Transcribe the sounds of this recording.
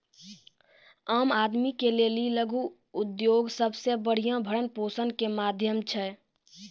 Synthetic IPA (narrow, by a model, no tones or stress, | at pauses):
aːmaːd̪mikeleːliləɡuː | d̪joːɡsəbsebəɽ̤ijãbʱəɽənpoːsənkemaːd̪ʱjəmt͡ʃʰɛ